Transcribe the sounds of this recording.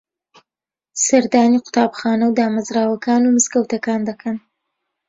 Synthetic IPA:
saɾd̪ɑːniqʊ̥t̪ɑːbxɑːnawd̪əamazɾɑːwakɑːnomʊskawt̪akɑːnd̪akʰan

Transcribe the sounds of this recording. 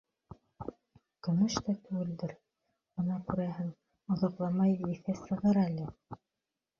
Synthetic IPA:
kɵ̆mɵʃt̪æt̪ʉɡɘ̆ld̪ɘɾ | ŏnɑkʉɾæɦɘŋ | ŏðɑqlˠɑmɑjiθæsɤ̆ʁɤɾælɘ

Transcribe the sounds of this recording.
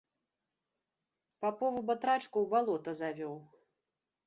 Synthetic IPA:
papɔvubɐt̪ɾat͡ʂkuwbalˠɔt̪ɐzavʲɔw

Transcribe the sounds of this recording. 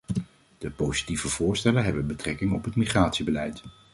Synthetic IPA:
d̥əpowz̥i̥tiv̥əv̥ʊːɹstɛlənɦɛbənbətrɛkɪŋɔpɦətmiχraːtsibəlɛjt

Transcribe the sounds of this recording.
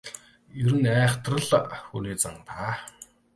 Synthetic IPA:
ɵɾɘ̆næːχt̪rə̆ɮxuniːt͡sa̰ŋt̪aː

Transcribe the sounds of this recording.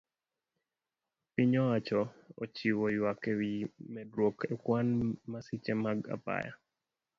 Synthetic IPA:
piɲɔat͡ʃɔɔ̰t͡ʃiwɔjwakewimɛdɾwokʰɛkwanmasit͡ʃɛmaɡa̰pa̰ja̰

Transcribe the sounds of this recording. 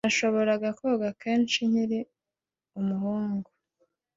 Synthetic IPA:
naʃo̞βo̞ɾaɡakoɡake̞ːnʃiɲiɾi | umuhuːŋɡo

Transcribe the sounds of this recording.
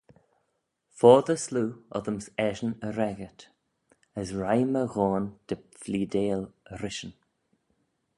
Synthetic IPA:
fɔːðəsluːɔ̰ðəmsɛʒənəɾɛɡət̪ | əsɹajməɣɔːnd̪̥əfliːd̪eːləɾɪʃən

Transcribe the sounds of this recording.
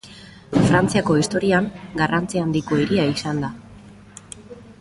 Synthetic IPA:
fɾant͡siako̞ist̪o̞ɾiaŋɡarant͡siand̪iko̞iɾiaisand̪a

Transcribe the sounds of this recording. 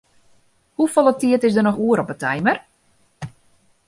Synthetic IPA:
hufolˠətiətɪsdərnɔxuəɾɔpətʰɛjmər

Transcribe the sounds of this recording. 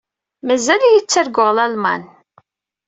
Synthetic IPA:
mæzæljit͡sːəɾɡʷoʁlælmɑ̰n

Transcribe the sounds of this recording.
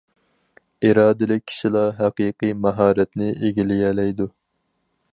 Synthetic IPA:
iɾɑːd̪ɨlɪk̚ʲʰːi̥ʃilˠɑɦæqiːqɨmɛɦɑːɾɛt̪nɪʔeɡʲilɪjɛlɛjd̪u

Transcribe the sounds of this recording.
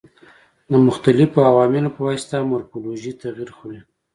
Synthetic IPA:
d̪əmʊxt̪alɪfoawɑmɪlopəwajst̪amʊɾfoloʒit̪aɣiɾxoɾi

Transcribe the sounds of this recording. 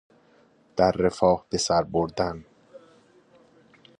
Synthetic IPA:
d̪̥æɾːefɒːhb̥e̞sæɾboɾd̪æn

